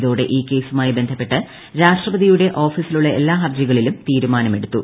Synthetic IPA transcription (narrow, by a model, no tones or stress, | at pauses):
ðo̞ːɽe̞̰ʔiːke̞ːsumaːjibe̞nd̪ʰʱɐpːe̞ʈːɨ | ɾaːʂʈrɐbɐðʱijuɽe̞ʔo̞ːfisiluɭːɐe̞lːaːɦɐrd͡ʑiɣɐɭilumt̪iːɾumaːnɐme̞ɽut̪ːu